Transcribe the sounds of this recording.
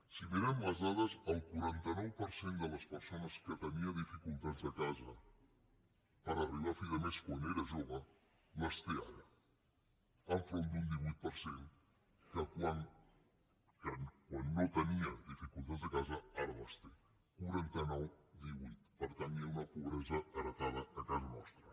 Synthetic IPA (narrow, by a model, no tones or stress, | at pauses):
siβenɛmləzðaðəzəlˠkuɾant̪ənɔwpəɾsend̪ələspəɾsonəskət̪əniəðifikulˠt̪azd̪əkazə | pəɾəriβafiðəmeskwaneɾəʒoβə | ləst̪ea̰ɾə | əɱfɾond̪und̪iβuit̪̚pəɾseŋ | kəkwan | kankwanːot̪əniəðifikulˠt̪ad̪zðəkazəaɾəβəst̪e | kuɾant̪ənɔwd̪iβut̪pəɾt̪əniaunəpuβɾɛzəːɾət̪aðəəkazɐnɔst̪ɾə